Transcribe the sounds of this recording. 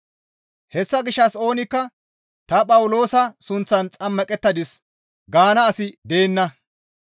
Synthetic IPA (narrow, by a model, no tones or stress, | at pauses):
hɛsːɐɡɪʃːɐso̞ːnɪkːɐ | t̪ɐpʼɐwʊlo̞ːsɐsʊnt͡sːɐnt͡sʼɐmːɐkʼɛt̪ːɐd̪ɪs | ɡaːnɐːsɪd̪e̞ːnːɐ